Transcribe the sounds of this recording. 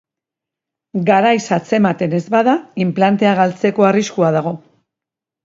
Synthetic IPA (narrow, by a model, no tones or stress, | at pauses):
ɡaɾajsat͡se̞mat̪e̞ne̞zβaðaimplant̪e̞aɣalt͡se̞ko̞ariskuað̞aɣ̞o̞